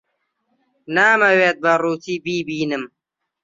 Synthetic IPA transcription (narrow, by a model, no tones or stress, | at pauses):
naːmɐweːt̪̚bɐɾuːt̪iːbiːbiːnɨm